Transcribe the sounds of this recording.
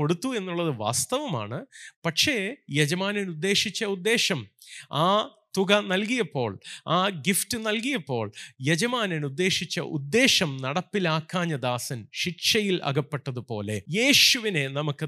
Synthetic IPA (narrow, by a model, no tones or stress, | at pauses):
o̞ɽut̪ːue̞nːuɭːɐðɨʋa̰ːst̪ɐʋɐma̰ːɳɨpɐʈʂe̞ːjed͡ʑɐmaːnɐnud̪ːe̞ːʂit͡ɕːɐud̪ːe̞ːʂɐmaːt̪uɡɐnɐlkijɐpːo̞ːɭaːɡiftɨnɐlkijɐpːo̞ːɭjed͡ʑɐmaːnɐnud̪ːe̞ːʂit͡ɕːɐ̰ʔṵd̪ːe̞ːʂɐmnɐɽɐpːilaːkːaːɲːɐd̪aːsɐnɕiʈʂɐjilʔɐ̰ɡɐpːe̞ʈːɐðɨpo̞ːle̞je̞ːɕuʋine̞nɐmukːɨ